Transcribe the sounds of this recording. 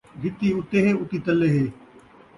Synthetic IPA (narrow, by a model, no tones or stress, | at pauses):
ʋɪt̪iːʊt̪eːɦeːʊt̪iːt̪əlːeːɦeː